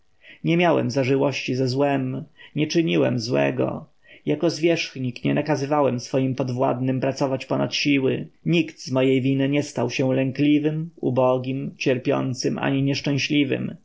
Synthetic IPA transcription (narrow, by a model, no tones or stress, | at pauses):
ɲɛmʲjawɛ̰mzaʐɘwɔɕt͡ɕizɛzwɛmɲɛt͡ʂɘɲiwɛ̰mzwɛ̰ɡɔ̰ | jakɔzvʲjɛʂxɲikɲɛnakazɘvawɛmsfɔjimpɔd̪vwa̰d̪nɘmpɾat̪sɔvat͡ɕpɔnat̪ɕiwɘ̰ɲikt̪zmɔjejvʲinɘɲɛst̪awɕɛ̃lɛŋklʲivɘmṵbɔɡʲimt͡ɕɛɾpʲjɔ̰nt̪sɘmʔa̰ɲiɲɛʂt͡ʂɛ̃w̃ɕlʲivɘ̰m